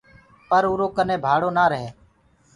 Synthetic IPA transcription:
pəɾuːɾoːkəneːbʱaːɽoːnaːɾəɦeː

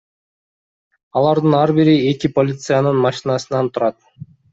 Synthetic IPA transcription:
ɑlˠɑɾd̪ɯnɑɾbiɾie̞kipolʲit̪sɨjanɯnmɑʃinɑsɯnɑnt̪ʰuɾɑt̪̚

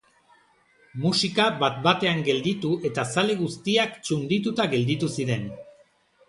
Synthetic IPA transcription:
musikaβat̪bat̪e̞aŋɡe̞ld̪it̪uʔe̞t̪asale̞ɣ̞ust̪iakt͡ʃund̪it̪ut̪aɣe̞ld̪it̪usiɾe̞n

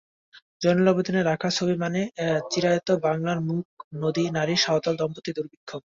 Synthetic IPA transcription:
d͡ʑɔnelɔbed̪oneɾːakʰat͡ɕʰobimanet͡ɕiɾaot̪obaŋlaɾmuk̚nod̪inaɾiʃaɦot̪ald̪ɔmpot̪ːid̪uɾbikʰːob̚

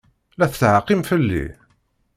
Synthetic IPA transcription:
læθθʕaqːimfəlːḭ

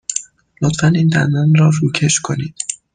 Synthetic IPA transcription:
lot̪fæniːnd̪æ̰nd̪ænɾɒːɾuːcʰe̞ʃkʰo̞niːd̪̥

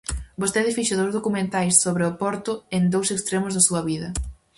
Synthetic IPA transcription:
bost̪eðɪfiʃɐðowzðokumẽnt̪ajsːoβɾɪʊpɔɾt̪ʊend̪owsekst̪ɾemʊzðɐsuɐβiðɐ

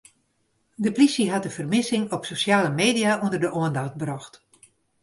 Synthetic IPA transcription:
dəplisiɦatdəfərmɪsɪŋɔpsosjaːləmeːdijaundərdəʔoəndaxt̚brɔxt

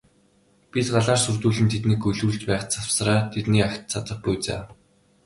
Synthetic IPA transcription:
pit̪ɢaɮaːrsurt̪uːɮɘ̆nt̪ʰet̪niːkɵɮuːɮt͡ɕpæːχt͡sʰaw̥sraːt̪ʰet̪niːakt̪t͡sʰat̪ə̆χpujt͡sa̰ː

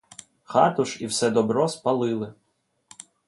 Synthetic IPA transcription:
xɑ̰t̪ʊʃiwsɛd̪ɔbɾɔspɐlˠɪlˠɪ

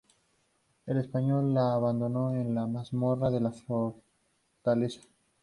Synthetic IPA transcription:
elespaɲo̞lːaːβand̪o̞no̞enlamazmoraðe̞lafoɾ | t̪alesḁ

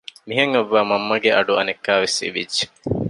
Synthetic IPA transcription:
miɦɐŋɐʋːaːmɐmːɐɡeʔɐɖuɐnekːaːʋesḭʋid͡ʒːe̥

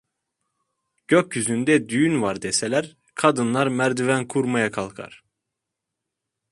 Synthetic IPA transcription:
ɟ̥øcːyzynd̪ɛd̪yjynvaɾd̪eselʲæɾ | kʰad̪ɯnlˠaɾmæɾd̪yvænkʰuɾmajakʰalˠkʰa̰ɾ̥

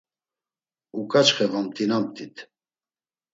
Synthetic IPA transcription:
ukʼat͡ʃχɛvamt̪ʼinamt̪ʼit̪ʰ

